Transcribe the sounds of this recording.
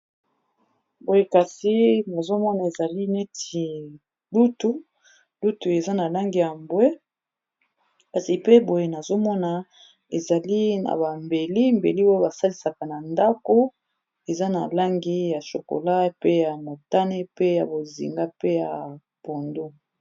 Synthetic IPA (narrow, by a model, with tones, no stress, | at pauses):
bo˨je˦ka˨si˦na˨zo˦mɔ˦na˨e˨za˨li˦ne˦tʰi˨ | lu˦tu˦ | lu˦tu˨e˨za˦na˨la˦ŋɡi˨ja˨mbwe˦ | ka˨si˨pe˦bo˨je˨na˨zo˦mɔ˦na˨ | e˨za˨li˦na̰˨ba˨mbe˨li˦mbe˨li˦wo˦ba˨sa˦li˨sa˨ka˨na˨nda˦ko˦ | e˨za˦na̰˨la˦ŋɡi˦ja˨ʃo̰˨ko̰˨la˦pe˦ja˨mo˨ta˦ne˦pe˦ja˨bo˨zḭ˨ŋɡa˦pe˦ja˨ | b̥o˨ndo˦